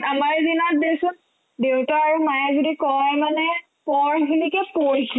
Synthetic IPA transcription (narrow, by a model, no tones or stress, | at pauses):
amaɹzinat̚dewsʊn | dewtaaɹumajɛzodikɔjmanɛ | pɔɹɦilikɛpoɹisʰ